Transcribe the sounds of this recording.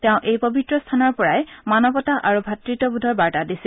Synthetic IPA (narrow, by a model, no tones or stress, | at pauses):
tɛʊ̃ʔejpobitɹɔstʰanɔɹpɔɹajmanɔpɔtaʔaɹubʱatɹitɔbudʱɔɹbaɹtadisi